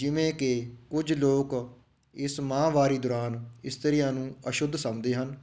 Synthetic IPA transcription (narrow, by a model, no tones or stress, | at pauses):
d͡ʒɪʋẽːkɪkʊd͡ʒloːk | ɪsmãːʋaːɾiːd̪ʊːɾaːnɪst̪əɾɪjãːnũːəʃʊd̪ʱsəmd̪eːɦən